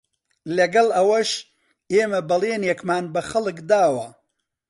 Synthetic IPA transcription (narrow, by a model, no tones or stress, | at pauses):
lɐɡɐlɐwɐʃ | eːmɐbɐlˠeːnjɛkmaːnbɐxɐlˠɨkd̪aːwɐ